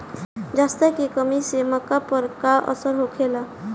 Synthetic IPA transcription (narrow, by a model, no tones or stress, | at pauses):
d͡ʒast̪ekikəmisemakapɔɾkaʔɔ̰səɾɦokʰela